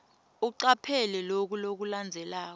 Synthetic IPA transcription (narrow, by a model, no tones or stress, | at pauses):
uǀapʰɛlɛlok̬ulok̬uland͡zʱɛlaːk̬ɔ